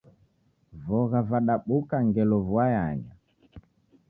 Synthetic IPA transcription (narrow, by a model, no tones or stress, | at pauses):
vɔɣavaɗaɓukaŋɡɛlɔvwaja̰ɲa̰